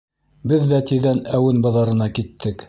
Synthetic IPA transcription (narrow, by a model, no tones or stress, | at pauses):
bɘðːæt̪iðænæwɘnbɤ̆ðɑɾɤ̆nɑkit̪ʰːɘk